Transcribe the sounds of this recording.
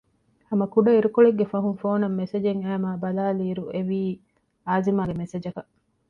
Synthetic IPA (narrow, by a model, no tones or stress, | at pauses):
ɐmɐkuɖɐiɾukoɭeɡːefɐɦuŋfoːnɐmːesed͡ʒeŋæːmaːbɐlaːliːɾueʋiː | aːzimaːɡemesed͡ʒɐkɐʔ